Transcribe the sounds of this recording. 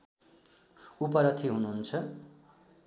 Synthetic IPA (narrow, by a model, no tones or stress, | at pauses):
upʌɾʌt̪ʰiɦunuɦunt͡sʰʌ